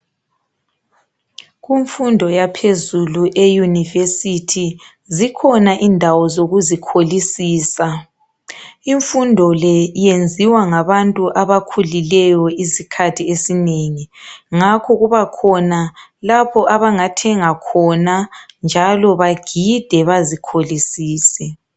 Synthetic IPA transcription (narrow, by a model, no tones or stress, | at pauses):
ɣiɱfundʱɔjapʰezuluʔejunivesitʰi | zikʰɔnaʔindʱawɔzoɣuzikʰolisiːsa | iɱfundʱɔlɛjend͡zʱiwaŋaβantʼuʔaβakʰulilɛjɔisikʰatʰiesineŋiŋakʰɔɣuβakʰɔnalapʰɔʔaβaŋatʰɛŋakʰɔnand͡ʒʱalɔβaɡ̥ʱid̥ʱɛβazikʰolisiːsɛ